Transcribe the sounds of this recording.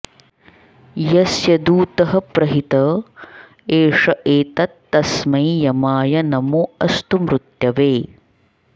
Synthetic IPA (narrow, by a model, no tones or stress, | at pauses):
jɐsjɐd̪uːt̪ɐɦɐpɾɐɦit̪ɐ | eːʂɐʔeːt̪ɐt̪ːɐsmɐjjɐmaːjɐnɐmuɐst̪umɾut̪jɐʋeː